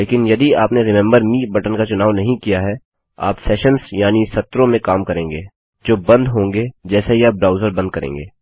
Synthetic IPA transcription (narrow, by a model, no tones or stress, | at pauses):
leːkɪnjɐd̪iaːpneɾɪmɛ̃mbəɾmiːbɐʈənkat͡ʃʊnaːʋnɐɦĩkijaɦɛ | a̰ːpsɛːʃənsjaːnisɐt̪ːɾõmẽkaːmkɐɾẽːŋɡeː | d͡ʒoːbɐ̃nd̪ɦõːŋɡed͡ʒɛːsejaːbɾaːʊzəɾbɐ̃nd̪̚kɐɾḛ̃ːŋɡeː